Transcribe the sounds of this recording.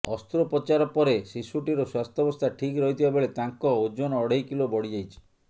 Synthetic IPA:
ɔst̪uɾɔpɔt͡ʃaɾɔpɔɾesisuʈiɾɔswast̪ʰɔbɔst̪ʰaʈʰikɾɔɦit̪ʰibabɔɭet̪aŋkɔod͡ʒɔnɔːɽeɦjkilobɔɽid͡ʒajt͡ʃʰi̥

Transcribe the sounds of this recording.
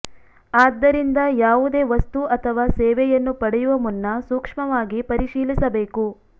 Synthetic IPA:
aːd̪ːɐɾind̪ɐjaːʋud̪e̞ːʋɐst̪uɐt̪ʰɐʋaːsɛːʋɛjɐnːupɐɽɛjuʋɐmunːɐsuːkʂmɐʋaːɡipɐɾiʂiːlisɐbeːku

